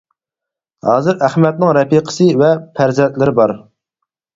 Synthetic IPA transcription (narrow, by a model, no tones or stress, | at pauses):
hɑːzɨɾæχmɛt̪̚nɪŋɾɛpiqʰə̥sɨvɛpʰæɾzɛnt̪lɪɾɪbɑɾ